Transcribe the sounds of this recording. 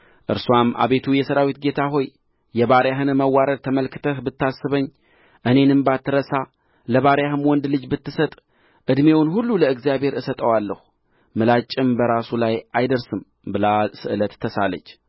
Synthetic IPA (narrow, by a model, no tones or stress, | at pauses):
ʔɨɾsuwamʔa̰βe̞t̪ʰujɛsəɾawit̪ɡe̞t̪ʰaɦo̞j | jɛβaɾjaɦɨnməwːaɾəd̪t̪ʰəməlkʰɨ̥t̪ʰəhbɨt̪ːasːɨβəɲː | ʔɨne̞nɨmbat̪ʰːɨɾəsa | ləβaɾjaɦɨnwɔnd̪lɨd͡ʒbɨt̪ːɨsət̪ʼ | ʔɨd̪me̞wnhulːuləɨɡzijabhe̞ɾɨsət̪ʼəwalːəhu | mɨlat͡ʃʼːɪmbəɾasulajajd̪əɾsɨm | bɨlasɨʔɨlət̪ʰːəsalə̰t͡ʃː